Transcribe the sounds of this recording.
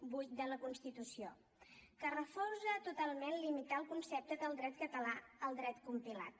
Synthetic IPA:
bujt̪̚d̪ələkunst̪it̪usio | kərəfɔrzəːt̪ut̪alˠmenlimit̪aəlˠkunsɛp̚t̪əðəlˠd̪ɾɛt̪kət̪əlaəlˠd̪ɾɛt̪kumpila̰t̪̚

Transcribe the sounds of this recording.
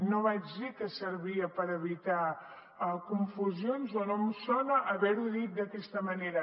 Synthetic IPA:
noβad͡ʒðikəsəɾβiəpəɾəβit̪a | kuɱfuzionzɔnomusɔnəʔːβɛɾuðit̪̚d̪əkɛst̪əməneɾə

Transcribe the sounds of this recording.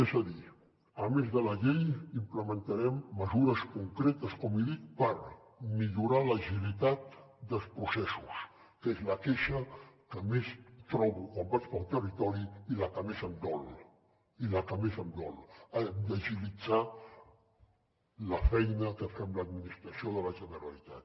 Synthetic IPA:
ɛzəði | əmezðələʎejimpləmənt̪əɾɛmːəzuɾəskuŋkɾet̪əskɔmiðik̚pəɾ | miʎuɾaləʒilit̪at̪̚d̪əlˠspɾusɛsus | kezləkeʃəkəmest̪ɾɔβukwambat͡ʃpəlˠt̪ərit̪ɔɾiiləkəmezəmd̪ɔl | iləkəmezəmd̪ɔləd̪əʒilid͡za | ləfɛjnəkəfɛmləd̪minist̪ɾəsioðələʒənəɾəlit̪a̰t̪

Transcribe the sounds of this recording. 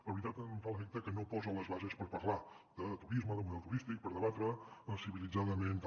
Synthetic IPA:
ləβɾit̪at̪nfaləfek̚t̪əkənopɔzələzβazespəɾpəɾla | d̪ət̪uɾizməðəmuðɛlˠt̪uɾist̪ik̚pəɾðəβat̪ɾəsiβilid͡zaðəment̪

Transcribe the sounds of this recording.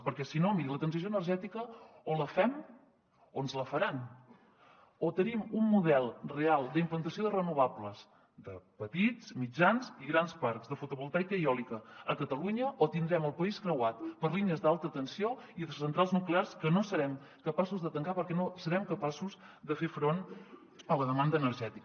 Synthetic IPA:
pəɾkɛsinomiɾilət̪ɾənsisjoənəɾʒɛt̪ikəoləfɛm | onzləfəɾan | ot̪ənimumːuðɛlˠrealˠd̪implənt̪əsioðərənuβ̞apləz | d̪əpət̪it͡smid͡ʒanziɣɾanspaɾkzðəfut̪uβulˠt̪ajkəiɔlikəəkət̪əluɲəʔot̪ind̪ɾɛməlˠpəiskɾəwat̪pəɾliniəzd̪alˠt̪ət̪ənsioiðəsənt̪ɾalˠznuklearskənosəɾɛm | kəpasuzðət̪əŋkapəɾkɛnosəɾɛmkəpasuz | ðəfefɾon | ələðəmand̪əːnəɾʒɛt̪ikə

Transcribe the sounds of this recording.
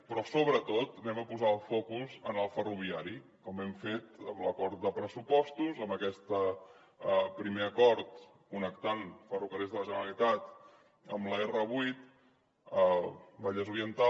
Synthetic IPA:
pɾɔsoβɾət̪ot̪nɛməpuzaəlˠfɔkuzənəlˠfəruβ̞iaɾikɔmɛmfet̪əmləkɔɾt̪̚d̪əpɾəsupɔst̪uzəmbəkɛst̪ə | əpɾimeəkɔɾt̪ | kunəkt̪anfəruɣəɾɛzðələʒənəɾəlit̪at̪ | əmləerəβujt̪̚ | əbaʎəzuɾiənt̪a

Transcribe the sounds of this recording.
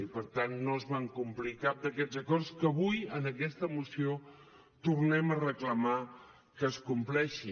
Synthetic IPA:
ipəɾt̪anːoəzβaŋkumplikap̚d̪əkɛd͡zəkɔrskəβujənəkɛst̪əmusio | t̪urnɛmərəkləma | kəːskumplɛʃi

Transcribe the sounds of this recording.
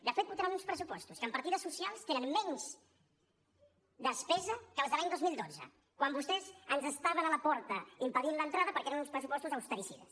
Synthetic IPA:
d̪əfet̪̚puɾt̪aɾanunspɾəsupɔst̪uskəmpəɾt̪iðəsusialˠst̪enənmɛɲz | d̪əspɛzəkəlˠzðəlaɲd̪ozmilˠd̪od͡zə̰ | kwambust̪ɛzənzəst̪aβənaləpɔɾt̪əimpəðinlənt̪ɾaðəpəɾkeɾɐnunspɾəsupɔst̪uzəwst̪əɾisḭðə̰s

